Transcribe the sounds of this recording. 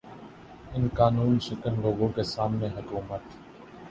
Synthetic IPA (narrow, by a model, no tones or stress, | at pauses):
ɪnkaːnuːnʃɪkənloːɡõkesaːmnẽɦʊkuːmət̪